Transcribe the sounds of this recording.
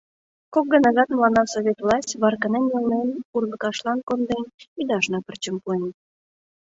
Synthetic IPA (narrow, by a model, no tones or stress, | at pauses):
kok̚ɡənɑɣɑt̪mlɑnɑsoβʲet̪vlˠɑsʲtʲβɑrkənenulnenurlə̆kɑʃlɑnkond̪enyd̪ɑʃnɑpərt͡ɕəmpuen